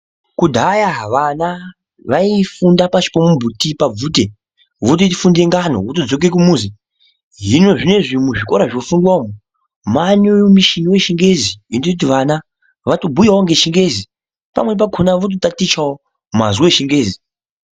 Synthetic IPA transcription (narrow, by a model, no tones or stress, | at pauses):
kudʱajaʋana | ʋaifundapat͡ʃi̥pomumbʱutipab͡vute | ʋot̬otfundeŋɡano̰ut̬od͡zo̞k̬ek̬umuzi | ɦino̞ʐine̞ʐimuʐiko̞ɾaʐiofundwaomu | manemiʃiniwe̞ʃiŋɡe̞ziinout̬iʋana | ʋatobʱujaoŋɡeʃiŋɡe̞zi | pa̰mwe̞p̬akʰonaʋot̬otatit͡ʃao | ma̰zuwe̞ʃiŋɡe̞ːzi